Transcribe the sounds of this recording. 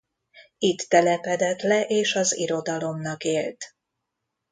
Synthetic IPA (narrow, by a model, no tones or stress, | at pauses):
it̪ːɛlɛpɛd̪ɛt̪lɛʔeːʃɒzḭɾo̞d̪ɒlo̞mnɒkeːlt̪